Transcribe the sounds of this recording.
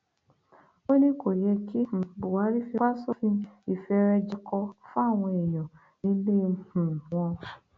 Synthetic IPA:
o˦nĩ˦ko˨jɛ˧kʰi˦h̩˨bu˨wa˨˦ɾi˦fi˧˦a˦so˦fĩ˧i˨fɛ˧ɾɛ˧d͡ʒi˧kʰɔ˧fa˦˨w̃ɔ̃˧e˨jɔ̃˨ | nĩ˦le˦˨˦hũ˨wɔ̃˧

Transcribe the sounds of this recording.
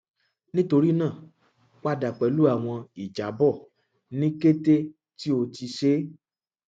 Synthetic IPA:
nĩ˦to˧ɾi˦nã˦˨ | k͡pa˧da˨k͡pɛ˨˦lu˦a˦˨w̃ɔ̃˧i˨d͡ʒa˨˦bɔ˦˨ | nĩ˦ke˦te˦ | ti˦o˧ti˧ʃe˧˦

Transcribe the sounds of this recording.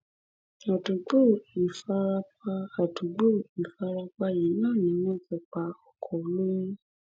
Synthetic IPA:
a˨tu˨ɡ͡bo˦˨i˨fa˧ɾa˦k͡pa˧a˨tu˨ɡ͡bo˦˨i˨fa˧˦ɾa˧k͡pa˧je˨˦nã˦˨nĩ˨˦nɔ̃˦˨sɛ˨k͡pa˨˦ɔ˨kʰɔ˨˦lo˦ũ˦

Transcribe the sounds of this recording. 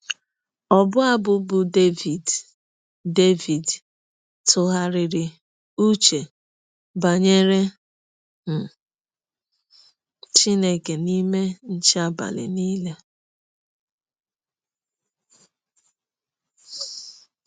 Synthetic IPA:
ɔ˨bʊ˦a˦bʊ˨bʊ˨de˦vi˨d | de˦vi˨d | tʰʊ˨ɦa˨ɾɪ˨ɾɪ˨ | u˦t͡ʃe˨ | ba˨ɲe˦ɾe˦ | m̩˨ | t͡ʃi˦ne˦ke˨ni˦me˦n̩˦t͡ʃa˦ba̰˨lɪ̰˨niː˦le˦

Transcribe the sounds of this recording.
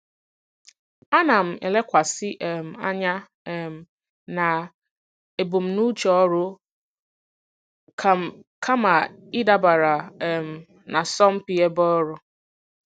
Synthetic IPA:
a˦na˨m̩˨e˨le˦kʷa˨sɪ˦ʔe˨m̩˨a̰˦ɲa˦˨ | m̩˨ | na˨ | e˨bo˨m̩˨nu˦t͡ʃɔɔ˦ɾʊ˦˨ | kʰa˦ma˨ɪ˦da˦ba˨ɾa˨m̩˨ | na˨sɔ˦m̩˦pi˦e˦bɔ˦ɾʊ˨

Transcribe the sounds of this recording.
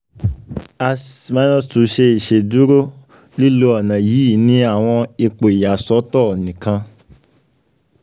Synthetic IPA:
a˧˨mã˨˦nã˧tu˨˦ʃe˧i˨ʃe˨du˨˦ɾo˦ | li˦lo˧˦ɔ˨nã˨ji˨˦i˨nĩ˨˦a˦˨w̃ɔ̃˧i˧k͡po˨i˨ja˨sɔ˨˦tɔ˦˨nĩ˨kã˧

